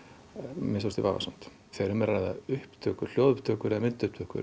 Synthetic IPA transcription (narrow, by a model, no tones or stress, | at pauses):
mɪns̬ɔst̪ɪvaːva̰san̥t̪ | θeɾʏmɛɾrajðaʏhpt̪ʰœːkʏɾ̥l̥jowðʏpt̪ʰœːkʏɾɛðmɪnt̪ʏhp̚t̪ʰœhkʏ̰ɾ